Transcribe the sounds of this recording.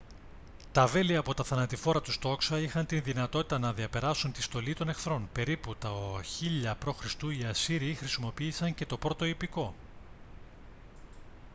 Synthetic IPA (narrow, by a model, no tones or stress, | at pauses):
t̪ɐve̞liɐpo̞t̪ɐθɐnɐt̪ifo̞ɾɐt̪ust̪o̞ksɐixɐnt̪inðinɐt̪o̞t̪i̥t̪ɐnɐðiɐpe̞ɾɐsunt̪ist̪o̞lit̪o̞ne̞fθɾo̞npe̞ɾiput̪ɐçiʎɐpɾo̞xɾist̪uiɐsiɾiːxɾisimo̞piːsɐɲce̞t̪o̞pɾo̞t̪o̞ipiko̞